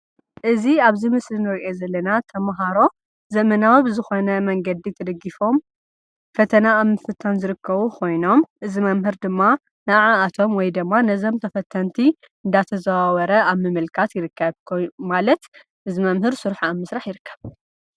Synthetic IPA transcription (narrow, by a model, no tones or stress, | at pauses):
ʔɨziaβzimɨslinɨɾiʔo̞zɐlːɐnat̪ʰɐmɦaɾo̞ | zɐmɐnawibɨzɨxo̞nɐmɐŋɡɐd̪it̪ʰɐd̪ɐɡifo̞m | fɐt̪ʰɐnaːβmɨfɨt̪ʰːanzɨɾɨkʰːɐβukʰo̞jno̞mʔɨzimɐmɦɨɾd̪ɨmːa | nɨʔʕaːt̪ʰo̞mwɔjd̪ɨmːanɐzo̞mt̪ʰɐfɐt̪ʰːɐnt̪ʰi | ɨnd̪at̪ʰɐzɐwawɐɾɐaβmɨmɨlkʰat̪jɪɾɨkʰːɐβkʰomalɐt̪ | ʔɨzimɐmhɨɾsuɾħaamːɨsɾaħjɪɾɨkʰːɐ̥β